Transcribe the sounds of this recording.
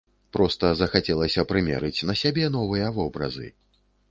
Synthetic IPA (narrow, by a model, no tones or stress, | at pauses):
pɾɔst̪ɐzɐxat͡sʲɛlˠɐsʲɐpɾɨmʲɛ̰ɾɨt͡sʲnɐsʲabʲɛn̪ɔvɨjɐvɔbɾɐ̰zɨ̰